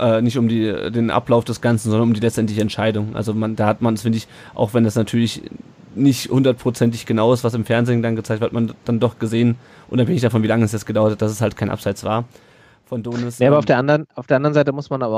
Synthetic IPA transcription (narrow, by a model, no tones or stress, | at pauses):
ʔɛːnɪçtʊmdiːdeːnʔa̰plaʊfd̥ɛsɡ̥ant͡sn̩zɔndɐnʊmdiːlɛt͡stʔɛntlɪçəɛntʃaɪdʊŋʔa̰lzomandaːhatmanɛsfɪndəɪç | ʔa̰ʊxv̥ɛndasnatʰyːɐlɪç | nɪçthʊndɐt̚pʁ̥ot͡sɛnt̬ɪçɡ̥ənaʊɪstv̥asɪmfɛɐnzeːndanɡət͡saɪtv̥ɪɐtmand̥andɔχɡ̥əzeːən | ʔʊ̰naphɛŋɪç̬d̥afɔnviːlaŋəɛs̬dɛsɡ̥ədaʊɐthat̚d̥as̬ɛshalt̚kʰaɪnʔa̰pz̥aɪt͡sv̥aːɐ | fɔndoːnɪsaabɐaʊd̥eːɐandɐnaʊfd̥eɐandɐʁənzaɪtəmʊsmanaːbɐ